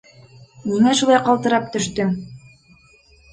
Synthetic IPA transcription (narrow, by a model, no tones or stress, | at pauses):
minæʃulˠɑjqɑlˠt̪ɤ̆ɾɑp̚t̪ɵ̆ʃt̪ɵm